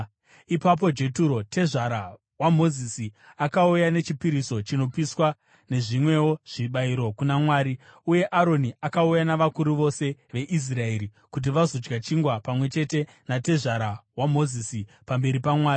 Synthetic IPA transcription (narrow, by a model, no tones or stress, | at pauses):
ipap̬o̞d͡ʒe̞tuɾo̞te̞ʐaɾa | wamo̞zisi | akaujane̞t͡ʃipiɾiso̞t͡ʃino̞piswa | ne̞ʐimwe̞wo̞ʐ̥iɓaiɾo̞kunamwaːɾiuje̞ʔaɾo̞niakaujanaʋakuɾuʋo̞se̞ʋe̞ʔis̬rae̞ːɾi | kut̬iʋazo̞d͡ʒɡat͡ʃiŋɡwapamwe̞t͡ʃe̞te̞ | nate̞ʐaɾawamo̞zisi | pambe̞ɾipamwaːri